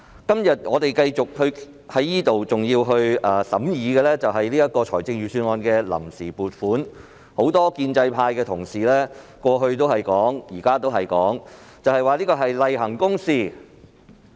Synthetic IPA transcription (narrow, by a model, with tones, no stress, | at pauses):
kɐ˥mjɐ˨t̚ŋɔː˨˧t̪e˨jkɐ˧jt͡sʊ˨k̚hɵ˧ɥ | hɐ˨˥jːiː˥t̪o˨wt͡sʊ˨ŋjiː˧wɦɵ˧ɥɐː˨sɐ̰˨˥mjiː˨˧ɡɛː˧lɛː˥t͡sɐ˨wɦɐ˨jliː˥ɐ˥t̚kɔː˧t͡ʃʰɔː˨˩jt͡sɪ˧ŋɥyː˨˩syː˧nŋɔː˧nkɛː˧lɐ̰˨˩msiː˨˩puː˨˩t̚fuː˨˥n | ho˨˥wt̪ɔː˥kiː˧nt͡sɐ˧jpʰaː˧jkɛː˧t̪ʰʊ˨˩ŋsiː˨lɛː˥kʷɔː˧ɦɵ˧ɥt̪̬o˥whɐ˨jkɔː˨˥ŋjiː˨˩kaː˥t̪o˥whɐ˨jkɔː˨˥ŋt͡sɐ˨whɐ˨jwaː˨˧liː˥kɔː˧ɦɐ˨jlɐ˨jɦɐ˨˩ŋkʊ˥ŋsiː˨˩